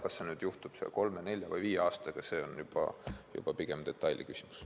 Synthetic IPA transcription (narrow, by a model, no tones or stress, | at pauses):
kɑsːenyːd̪̥juht̪ub̥sḛlko̞lme̞ne̞lʲjɑvɤ̰jviːjeɑːst̪ɑɡ̥ɑse̞ːonjub̥ɑ̰jṵb̥ɑpiɡ̥emd̪̥e̞t̪ˑːɑjlʲʔḭkysʲimu̥s